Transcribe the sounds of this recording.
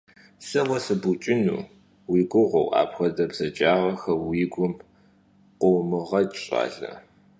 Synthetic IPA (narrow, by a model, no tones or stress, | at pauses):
sɐwɐsɨbut͡ʃʼɪnṵː | wiːɡʷʊʁʷo̰wʔa̰ːpxɐdɐbz̥ɐt͡ʃʼaːʁɐxɐwiːɡʷʊm | qʷowmɨʁɐɕʼa̰ːɮɐ̰